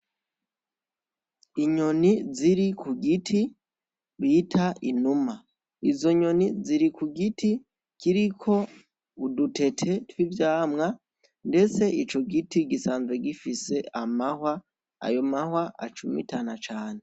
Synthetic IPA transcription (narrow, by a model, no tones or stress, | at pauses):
iɲo̞niziɾikʰuɡitʰi | βitʰainuma | izo̞ɲo̞niziɾikuɡitʰi | kʰiɾikʰo̞ | udutʰe̞tʰe̞twivjaːmŋa | nde̞t͡se̞it͡ʃo̞ɡitiɡisaːnzweɡifise̞ʔamahwa | a̰jo̞mahwaʔa̰t͡ʃumḭtanat͡ʃaːne